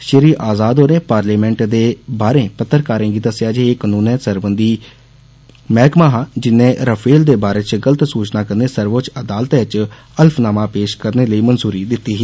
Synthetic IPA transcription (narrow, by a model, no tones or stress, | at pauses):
ʃəɾiːʔaːzaːd̪ɦoːɾẽːpaːɾliːmɛ̃ːɳʈd̪eːbaːɾẽːpət̪ːəɾkaːɾẽːɡiːd̪əsɪjaːd͡ʒeːeːknũːnɛ̃ːsəɾbənd̪iː | mɛːkmaːɦaːd͡ʒɪnːẽːɾəpʰeːld̪eːbaːɾeːt͡ʃɡələt̪suːt͡ʃnaːkəɾneːsəɾʋoːt͡ʃəd̪aːlt̪ẽt͡ʃ | əlpʰnaːmãːpeːʃkəɾneːləiːmənzuːɾiːd̪ɪt̪ːiːɦiː